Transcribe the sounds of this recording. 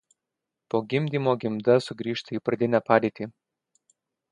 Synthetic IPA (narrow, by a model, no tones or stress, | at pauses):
poːɡʲɪmʲd̪ʲiːmoːɡʲɪmʲd̪ɐsʊɡɾʲiːʃt̪ɐiːpɾɐd̪ʲɪnʲæpɑːd̪ʲeːt̪ʲiː